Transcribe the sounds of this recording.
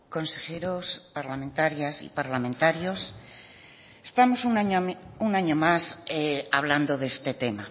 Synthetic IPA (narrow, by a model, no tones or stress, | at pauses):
ko̞nse̞xe̞ɾospaɾlamẽnt̪aɾjasḭpaɾlamẽnt̪aɾjo̞s | est̪amo̞sunɲunaɲomaseaβ̞land̪o̞ðest̪e̞t̪e̞ma